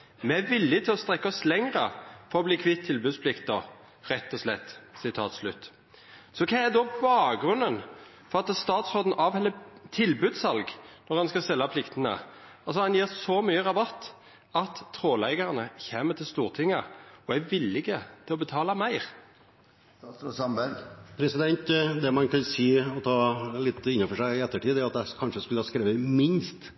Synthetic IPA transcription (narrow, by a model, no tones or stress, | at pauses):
mɛæʋɪlːɪɡt̪ʰɪlɔst̪ʁɛkːɑɔslɛŋʁəfɔʁɔbliːkʰʋɪt̪ʰːɪlbʉːd̪spʰlɪkt̪̚d̪ɔ | ʁɛt̪ːɔslɛ̰t̪ːsɪt̪ʰɑ̰ːt̪slʉt̪ː | sɔkʰɑːæd̪ɔbɑːɡɾʉnːən | fɔʁɑt̪st̪ɑːt̪sʁoːd̪n̩ʔɑʋhɛlːət̪ʰɪlbʉːd̪sɑlɡnɔʁhɑnskɑsɛlːɑpʰlɪkt̪ənə̰ | ɑlsɔhɑnjiːʁsɔmyːəʁɑbɑt̪ː | ɑt̪ʰːʁoːlæɪɡɑʁənəçeːmət̪ʰɪlst̪uːʁt̪ʰɪŋːəɔɛɡʋɪlːɪɡət̪ʰɪlɔbət̪ʰɑːlɑmæɪʁ | sɑmbæɾpʰɾɛsɪd̪ɛnt̪d̪ɛmɑnkʰɑnsiːɔt̪ʰɑːlɪt̪ːɪnːɑfɔʂæɪɪɛt̪ːəʈʰiːd̪æɾɑt̪̚d̪ɛkʰɑnʂəskʉləɑskɾeːʋəmɪnst̪